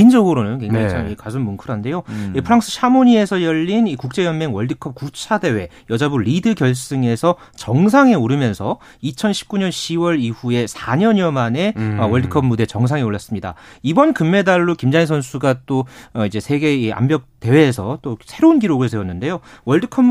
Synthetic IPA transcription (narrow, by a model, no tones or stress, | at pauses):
ind͡ʑʌɡɯɾonɯnkwe̞ŋd͡ʑaiaŋikasʰunmunkʰɯɾɦande̞joipʰɯɾaŋs͈ʰɯ̥ɕʰamoɲie̞sʰʌjʌʎːinikuk̚t͡ɕ͈e̞jʌnmeŋwʌɭdɯkʰʌp̚kut͡ɕʰade̞we̞ | jʌd͡ʑabuɾidɯɡjʌɭs͈ɯŋe̞sʰʌ | t͡ɕʌŋs̬ʰaŋe̞oɾɯmjʌnsʰʌ | it͡ɕʰʌnɕʰi̥p̚k͈uɲʌnɕʰiwʌɾiɸue̞sʰaɲʌɲjʌmaneʌwʌɭdɯkʰʌb̚mude̞t͡ɕʌŋsʰaŋe̞oɭːas͈ɯmɲida̰ibʌnkɯmːe̞daɭːokimd͡ʑains̬ʰʌnsʰuɡat͈oʌid͡ʑe̞sʰe̞ɡe̞ia̰mbjʌk̚t͈e̞we̞ːsʰʌt͈osʰe̞ɾounɡiɾoɡɯɭsʰe̞wʌnːɯnde̞jowʌɭdɯkʰʌ